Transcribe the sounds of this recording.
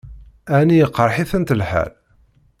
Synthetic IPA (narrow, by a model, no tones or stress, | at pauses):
ænijəqːɾˤħiθənt̪əlħæ̰l